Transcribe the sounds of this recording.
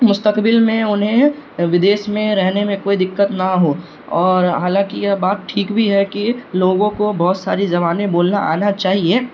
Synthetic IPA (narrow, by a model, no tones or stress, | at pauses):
mʊst̪əkbɪlmẽʊnɦẽʋɪd̪eːʃmẽɾɛɦnemẽkoːid̪ɪkːət̪nɐɦo | ɔːɾɦaːlãkijɛbaːt̪̚ʈʰiːkbʱiɦɛkiloːɡõkobɔːt̪sa̰ːɾizɐbaːnẽboːlna̰ʔa̰ːnat͡ʃaːɦieː